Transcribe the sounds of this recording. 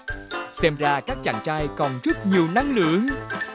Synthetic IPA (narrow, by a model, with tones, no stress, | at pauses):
sɛ˧mzaː˧kaː˦˥k̚t͡ɕa̰ː˧˩ŋt͡ɕaː˧jkɔ˨˩nzə˦˥t̚ɲi˨˩əwna˨˧˦ŋlɨ̰˧˨˦əŋ